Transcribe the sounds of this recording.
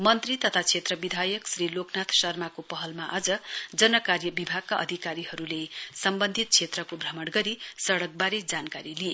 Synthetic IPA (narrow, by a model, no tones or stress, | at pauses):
mʌnt̪rit̪ʌt̪ʰat͡sʰet̪rʌbid̪ʱajʌksriloknat̪ʰsʌrmakopʌɦʌlmaʔʌd͡zʌd͡zʌnʌkarjʌbibʱaɡ̚kaʔʌ̰d̪ʱikaɾiɦʌɾulesʌmbʌnd̪ʱit̪̚t͡sʰet̪rʌkobʱrʌmʌɽɡʌɾisʌɽʌk̚baɾed͡zankaɾilije